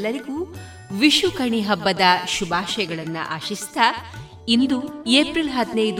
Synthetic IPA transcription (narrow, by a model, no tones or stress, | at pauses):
lːɐɾiɡuː | ʋiʃukɐɳiɦɐbːɐd̪ɐʃubʱaːʃɐjɐɡɐɭɐnːṵʔaːʃist̪ʰɐ | ind̪ueːpɾilɦɐd̪nɐjd̪